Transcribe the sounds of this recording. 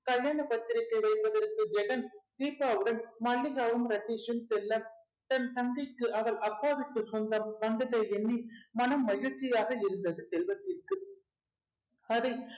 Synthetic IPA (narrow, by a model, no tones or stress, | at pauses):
kɐɭjaːnɐpɐt̪ːɪɾɐkːɐɪʋɐɪpːɐðɐrkɯd͡ʒɛɣɐnd̪iːpːaːʋɯɽɐnmɐlːɪɣaːʋɐmɾɐʈːiːʂɐnsɛlːɐm | t̪ɐnsɐŋɡɪkːɯʔɐʋɐɭɐkːaːʋɪʈ̪ːɯsɔnd̪ɐmʋɐnd̪ɐðɐɪɛnːimɐnɐmːɐɣɪrt͡ʃːɪjaːɣɐɪɾɯnd̪ɐðɯsɛlʋɐt̪ːɪrkɯ | ɐðɐ